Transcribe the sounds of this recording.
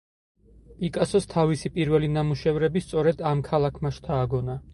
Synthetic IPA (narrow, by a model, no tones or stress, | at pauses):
pʼikʼasɔst̪ʰavisipʼiɾvɛlinamuʃɛvɾɛbist̪sʼɔɾɛd̪amkʰalˠakʰmaʃt̪ʰaːɡɔna